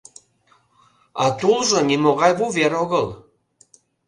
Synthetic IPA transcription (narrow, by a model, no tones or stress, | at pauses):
ɑt̪ulʒŏnimoɣɑjβuveɾoɣəl